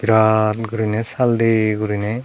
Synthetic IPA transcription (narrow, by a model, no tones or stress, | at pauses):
b̥iɾatɡuɾinɛsaldeɡuɾinɛ